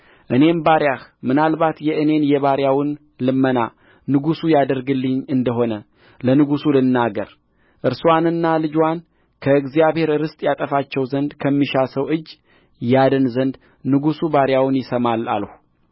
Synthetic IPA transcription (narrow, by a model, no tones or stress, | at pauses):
ʔɨne̞nbaɾjahmɨnalbat̪jɛʔɨne̞njɛβaɾjawɨn | lɨmːəna̰ | nɨɡusujad̪əɾɡɨlːɨɲːɨnd̪əɦo̞nə | lənɨɡusulɨnːaɡə̰ɾ | ʔɨɾswanɨnːalɨd͡ʒwan | kʰəɨɡzijaβhe̞ɾɾɨst̪ʼjat̪ʼəfat͡ʃːɛwzənd̪kʰəmːiʃasəwʔɨd͡ʒː | jad̪ənzənd̪ | nɨɡusubaɾjawnjɪsəmala̰lhu